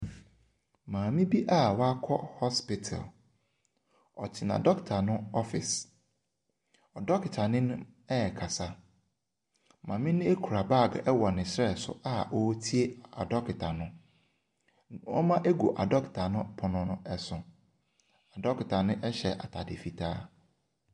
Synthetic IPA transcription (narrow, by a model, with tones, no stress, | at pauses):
mãː˨mĩ˦bi˦ʔa˦wɔ˦a˦kʰɔ˦hɔ˦spɪ˦tʰa̰˨l | ɔ˨tʰɪ˨nã̰˨dɔ˦ktʰa˨nʊ̃˦ɔ˦fɪ˨s | ɔ˨dɔ˦kɪ˨tʰa˨nɪ̃˦nʊ̃˦ | ɛ˦ɛ˨kʰa˨sa˦ | mã˨mɪ̃˦nʊ̃˦e˦kʰu˨ɾa˨ba˦˨ɡʔɛ˦wɔ˨nɪ̃˨sɾɛ˦˨sʊ̰˦ʔa˦ʔɔ˦tʰi˦e˦a̰˨dɔ˦kɪ˨tʰa˨nʊ̃˦ | ɔ̰˦mã˦ʔe˦ɡu˨ʔa̰˨dɔ˦kɪ̥˨tʰa˨nʊ̃˦pʰʊ˨nʊ̃˨nʊ̃˦ɛ˨sʊ̃˨ | a˨dɔ˦kɪ˨tʰa˨nʊ̃˦ʔɛ˦ɕɛ̰˨ʔa̰˨tʰa˨dɪ̰˨fi˨tʰa̰ː˦